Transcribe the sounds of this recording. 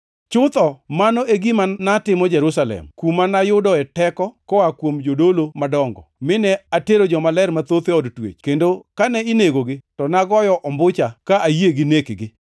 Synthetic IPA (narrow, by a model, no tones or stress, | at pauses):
t͡ʃʊt̪ɔmanoʔeɡimanatɪmɔd͡ʒɛɾusalɛ̰mkumanajʊdɔɛtɛkɔkɔakwomd͡ʒodolomadɔŋɡɔ̰mɪnɛateɾod͡ʒɔmalɛɾmat̪ot̪eɔdtwḛt͡ʃkendokanɛineɡoɡɪtɔnaɡɔjɔʔɔmbʊt͡ʃakaʔajieɡɪnekɡɪ